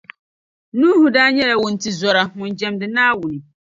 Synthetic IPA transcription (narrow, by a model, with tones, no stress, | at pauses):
nũː˦hʊ̃˨daː˦ɲɛ˦la˨wʊ˨n̩˨tʰi˦zɔ˦ɾa˦mʊ̃˨nd͡ʑɛ̃˨mdɪ˨nãː˦wu˨nɪ̃˨